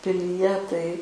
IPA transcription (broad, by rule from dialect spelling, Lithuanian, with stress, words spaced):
pʲɪlʲiːˈjɛ tɐɪ